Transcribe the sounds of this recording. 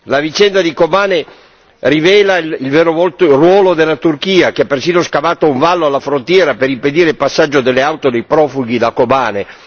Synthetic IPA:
lavit͡ʃɛnd̪ad̪ikobaːne | rivɛːlailveːɾovɔlt̪orwɔːlod̪elːat̪urkiːak̟eapːersiːnoskavaːt̪ouɱvalːoalːafɾont̪jɛːɾapeɾimped̪iːɾeilpasːad͡ʒːod̪elːeawt̪od̪ejpɾɔːfuɡ̟id̪akobaːne

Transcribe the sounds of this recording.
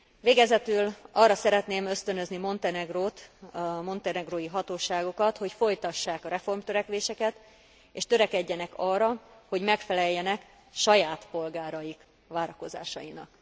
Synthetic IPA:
ʋeːɡɛzɛt̪ylɒːrːɒsɛɾɛt̪neːmø̞st̪ønø̞znimo̞nt̪ɛnɛɡroːt̪mo̞nt̪ɛnɛɡroːjiɦɒt̪oːʃaːɡokɒt̪ho̞cfo̞jt̪ɒʃːaːkɒɾɛfo̞rmt̪øɾɛkʋeːʃɛkɛt̪ | eːʃt̪øɾɛkɛɟːɛnɛkɒːrːɒho̞ɟmɛkfɛlɛjːɛnɛk | ʃɒjaːt̪po̞lɡaːɾɒjik | ʋaːɾɒko̞za̰ːʃɒjinɒ̰k

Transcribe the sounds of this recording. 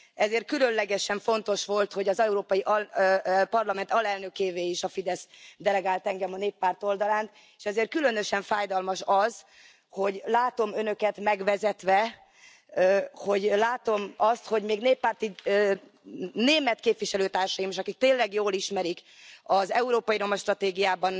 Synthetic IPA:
ɛzeːrt̪̚kylønlɛɡɛʃɛɱfo̞nt̪o̞ʃʋo̞lt̪ho̞ɟɒzɛuɾoːpɒjiʔɒ | pɒrlɒmɛnt̪ɒlɛlnø̞keːveːiʃɒfid̪ɛsd̪ɛlɛɡaːlt̪ɛŋɡɛmɒneːpːaːrt̪o̞ld̪ɒlaːnt̪ | e̥ʃɛzeːrt̪̚kylø̞nø̞ʃɛɱfaːjd̪ɒlmɒʃɒz | ho̞ɟlaːt̪o̞mø̞nø̞kɛt̪mɛɡʋɛzɛt̪ʋɛ | ho̞ɟlaːt̪o̞mɒst̪ho̞ɟmeːɡneːpːaːrt̪i | neːmɛt̪̚keːpvʋiʃɛløːt̪aːrʃɒjimiʃɒkik̚t̪eːnlɛɡjoːliʃmɛɾik | ɒzɛuɾoːpɒjiɾo̞mɒʃt̪rɒt̪eːɡijaːbɒn

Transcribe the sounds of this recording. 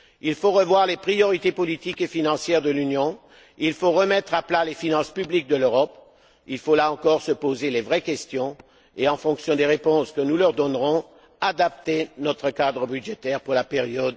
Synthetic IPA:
ilfoʁəvwaʁlepχijɔʁit̪epɔlit̪ikefinɑ̃sjɛʁd̪əlynjɔ̃ | ilfoʁəmɛt̪χaplalefinɑ̃spyblik̚d̪əløʁɔp | ilfolaɑ̃kɔʁsəpozelevʁɛkʲɛst̪jɔ̃ | eɑ̃fɔ̃ksjɔ̃d̪eʁepɔ̃skənulœʁd̪ɔnʁɔ̃ | ad̪apt̪enɔt̪χəkad̪ʁəbyd̪ʒet̪ɛʁpuʁlapeʁjɔd̪

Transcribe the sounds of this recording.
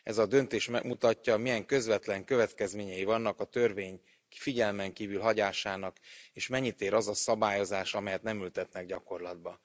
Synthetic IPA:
ɛ̰zɒd̪ø̞nt̪eːʃmɛ̰ɡmut̪ɒcːɒmijɛŋkø̞zvɛt̪lɛŋkø̞vɛt̪kɛzmeːɲɛjivɒnːɒkɒt̪ørveːɲ | fiɟɛlmɛŋkiːvylɦɒɟaːʃaːnɒkeːʃmɛɲːit̪eːɾɒzɒsɒbaːjo̞zaːʃɒmɛjɛt̪nɛmylt̪ɛt̪nɛɡɟɒko̞rlɒd̪bɒ

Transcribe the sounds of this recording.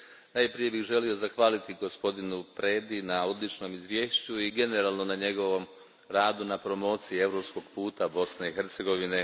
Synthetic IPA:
najpɾije̞bixʒe̞lio̞zaxʋaːlit̪iɡo̞spo̞d̪inupɾe̞ːd̪inao̞d̪lit͡ʃno̞mizʋje̞ːʃt͡ɕuiɡe̞neɾaːlˠno̞naɲe̞ɡo̞ʋo̞m | ɾaːd̪unapɾo̞mo̞ːt̪sijie̞vɾo̞psko̞ɡ̥puːt̪abo̞sne̞ixeɾt̪se̞ɡo̞ʋine̞

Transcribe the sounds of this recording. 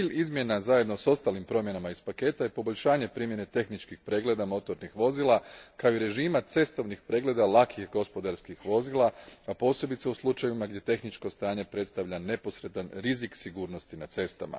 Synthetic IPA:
iːʎizmje̞nazajed̪no̞so̞st̪alimpɾo̞mje̞namaizpake̞ːt̪ajepo̞boʎʲʃaːɲe̞pɾiːmje̞ne̞t̪e̞xnit͡ʃkixpɾe̞ːɡle̞d̪amo̞t̪o̞ɾnixʋo̞ziːlˠakaoiɾe̞ʒiːmat̪se̞st̪o̞ʋnixpɾe̞ːɡle̞d̪alakʰixɡo̞spo̞d̪aɾskixʋo̞ziːlˠaapo̞ːse̞bit̪seuslˠut͡ʃajivimaɡd̪je̞t̪e̞xnit͡ʃko̞st̪aːɲe̞pɾe̞t̪st̪aʋʎane̞po̞sɾe̞d̪anɾiziksiɡuːɾno̞st̪inat̪se̞st̪ama̰

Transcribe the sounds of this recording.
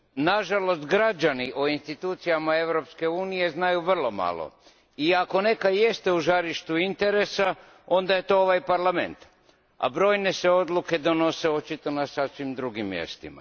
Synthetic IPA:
naʒalo̞st̪ɡɾad͡ʑaniʔoinst̪it̪uːt̪sijamae̞ʋɾo̞pske̞uːnije̞znajuʋr̩lˠo̞ma̰lˠo̰ | iako̞ne̞kajest̪e̞uʒaɾiʃt̪uint̪e̞ɾe̞sa | o̞nd̪aje̞t̪o̞o̞ʋajpaɾlame̞̰nt̪ | a̰bɾo̞ːjne̞se̞o̞d̪lˠuke̞d̪o̞no̞se̞o̞t͡ʃit̪o̞nasasʋimd̪ɾuɡimːjḛst̪ima̰

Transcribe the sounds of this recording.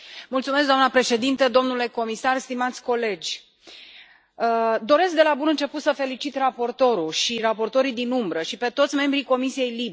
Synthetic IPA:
mult̪sumeskd̪oamnəpɾe̞ʃe̞d̪int̪əd̪o̞mnule̞ko̞misarst̪imat̪sʲko̞le̞d͡ʒʲ | əd̪o̞ɾe̞sk̚d̪e̞labunɨnt͡ʃe̞put̪səfe̞lit͡ʃit̪rapo̞rt̪o̞ɾuʃirapo̞rt̪o̞ɾijd̪inumbɾəʃipe̞t̪o̞t̪sʲme̞mbɾiko̞misije̞jlib

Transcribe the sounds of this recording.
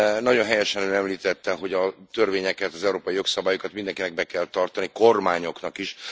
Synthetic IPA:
nɒɟo̞nɦɛjɛʃɛnønɛmliːt̪ɛt̪ːɛɦo̞ɟɒt̪ø̞rveːɲɛkɛt̪ɒzɛuɾoːpɒjijo̞ksɒbaːjokɒt̪mind̪ɛŋkinɛɡ̚bɛkɛlt̪ɒrt̪ɒniko̞rmaːɲo̞knɒkiʃ

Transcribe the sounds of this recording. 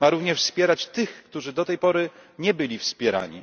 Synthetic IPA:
maɾuvɲɛʂfspʲjɛɾat͡ɕt̪ɘxkt̪uʐɘd̪ɔt̪ɛjpɔɾɘɲɛbɘlʲifspʲjɛɾa̰ɲḭ

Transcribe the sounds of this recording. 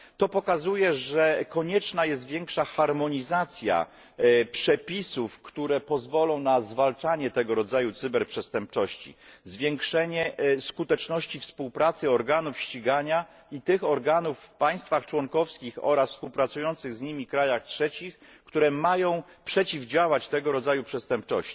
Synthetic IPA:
t̪ɔpɔkazujɛʐɛkɔɲɛt͡ʂnajɛs̬t̪vʲjɛŋkʂaxaɾmɔɲizat̪sʲja̰ | pʂɛpʲisufkt̪uɾɛpɔzvɔlɔ̃w̃nazvalt͡ʂaɲɛt̪ɛɡɔɾɔd̪zajut̪sɘbɛɾpʂɛst̪ɛmp̚t͡ʂɔɕt͡ɕḭzvʲjɛŋkʂɛɲɛskut̪ɛt͡ʂnɔɕt͡ɕifspuwpɾat̪sɘɔɾɡanufɕt͡ɕiɡaɲa | it̪ɘxɔɾɡanufːpaj̃st̪faxt͡ʂwɔŋkɔfskʲixɔ̰ɾasfspuwpɾat̪sujɔnt̪sɘɣzɲimʲikɾajaxtʂɛt͡ɕix | kt̪uɾɛmajɔ̃w̃pʂɛt͡ɕivd͡ʑawat͡ɕt̪ɛɡɔɾɔzajupʂɛst̪ɛmpt͡ʂɔ̰ɕt͡ɕi

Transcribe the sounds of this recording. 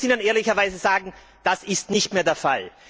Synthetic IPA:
iːnəneːɐlɪçɐvaɪzəzaːɡŋ̩ | d̥asɪstnɪçtmeːɐdeːɐfa̰l

